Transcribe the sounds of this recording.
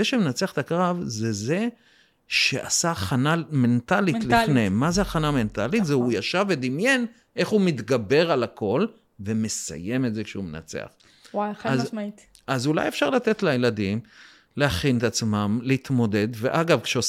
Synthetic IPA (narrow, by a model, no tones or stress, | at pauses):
eʃemenat͡seaχe̥t̪akʁavzeze | ʃeʔa̰saːχaname̞nt̪alilifnemazeaχaname̞nt̪alit̪zeujaʃaved̪imje̞n | ʔe̞χhumit̪ɡabe̞ʁalakʰo̞l | ve̞me̞sa̰je̞metzekʃeumḛna̰t͡sḛa̰χ | waazi | azula̰jefʃaʁlat̪e̞t̪lajelad̪im | lehaχinet̪at͡smamleit̪mo̞d̪e̞d̪veʔaɡavkʃeo